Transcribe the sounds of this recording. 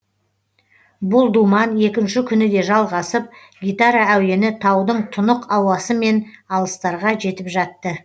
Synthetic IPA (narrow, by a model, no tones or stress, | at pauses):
bʊlˠd̪umɑnje̞kʲɪnʃɪkʲʰʏnɪd̪e̞ʒɑlˠʁɑsəp̚ | ɡʲijt̪aɾɑæw̪e̞nɪt̪ʰɑwd̪əɴt̪ʰʊnəqɑwɑsəme̞nɑlˠəst̪ɑɾʁɑʒe̞t̪ɪpʒɑt̪ːə